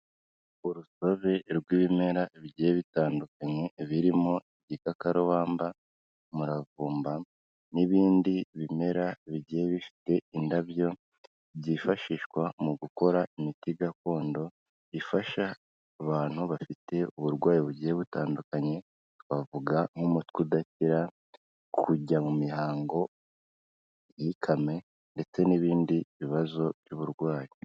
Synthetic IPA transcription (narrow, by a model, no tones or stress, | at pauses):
uɾuso̞βe̞ɾɡwiːβime̞ɾaβiɟieβitaːndukaɲe̞βiɾimo̞eɟikakaɾowaːmba | muɾavuːmba | niβiːndiβime̞ɾaβiɟijeβifi̥te̞indaβjo̞ | βɟifaʃiːʃkwamuɡuko̞ɾaimitiɡako̞ːndo̞ | ifaʃaː | βaːn̥huβafite̞uβuɾɡwaːjiβuɟiheβutaːndukaɲe̞ | βavuɡaŋumutkudaciɾa | kʰuɟamumihaːŋɡo̞ | ihikʰame̞ | nde̞t͡se̞niβiːndiβiβazo̞vjuβuɾɡwaːji